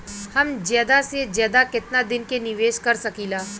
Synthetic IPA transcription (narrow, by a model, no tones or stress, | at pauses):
hɐmd͡ʒjaːd̪ased͡ʒjaːd̪akɪt̪nad̪ɪnkenɪʋeːʃkɐɾsɐkiːlaː